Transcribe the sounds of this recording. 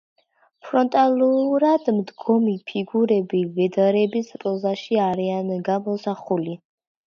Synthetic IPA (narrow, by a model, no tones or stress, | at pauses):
pʰɾɔnt̪ʼalˠuɾad̪md̪ɡɔmipʰiɡuɾɛbivɛd̪aɾɛbisɾʼɔzaʃiaɾianɡamɔsaχuli